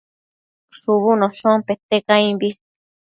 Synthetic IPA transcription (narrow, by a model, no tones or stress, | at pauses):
suβunosõmpet̪ekaĩmbist̪